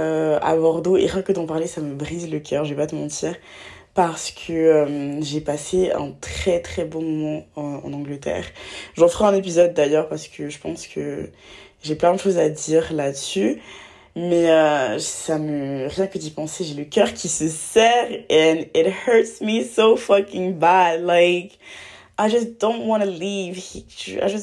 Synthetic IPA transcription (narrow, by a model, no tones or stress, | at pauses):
øa̰bɔʁd̪oḛʁjɛ̃kəd̪ɑ̃paʁlesaməbʁizləkʲʰœʁʒəvɛpat̪əmɑ̃t̪iːʁ | paʁsə̥kʰəømʒepaseɛ̰̃t̪χɛt̪χɛbɔ̃mɔmɑ̃ɑ̰̃nɑ̃ɡlət̪ɛ̰ːʁʒɑ̃fəʁɛɛ̃nep̬izɔd̪ːajœʁpaʁsə̥kʰəʒəpɑ̃skʰə | ʒeplɛ̃d̪əʃozad̪iʁlad̪əsy | mɛøsaməʁjɛ̃kəd̪ipɑ̃seʒeləkʲœʁkʲʰisəsɛʁɛ̃nɪt̚hɜ˞tsmisofʌkɪ̃ŋbadlaɪk | ajd͡ʒʌsd̪̥õʊ̃ntwɑ̃nəlivhia̰jd͡ʒas